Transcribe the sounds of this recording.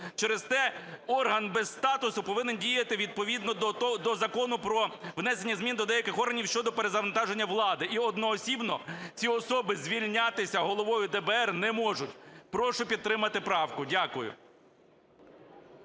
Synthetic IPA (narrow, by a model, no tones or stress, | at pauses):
t͡ʃɛɾezt̪ɛɔrɦɐnbɛsst̪ɑt̪ʊsʊpɔʋɪnendʲijɐt̪ɪʋʲid̪̚pɔʋʲid̪nɔd̪ɔzɐkɔnʊpɾɔʋnɛsenʲːɐzmʲind̪ɔd̪ɛjɐkɪxɔrɦɐnʲiwʃt͡ʃɔd̪ɔpeɾezɐʋɐnt̪ɑʒenʲːɐʋlˠɑd̪ɪiɔd̪nɔːsʲibnɔt͡sʲiɔsɔbɪzʲʋʲilʲnʲɑt̪ɪsʲɐɦɔlˠɔʋɔjʊd̪ɛbɛɛrnɛmɔʒʊtʲpɾɔʃʊpʲid̪̚t̪ːɾɪmɐt̪ɪpɾɑwkʊdʲakʊjʊ̰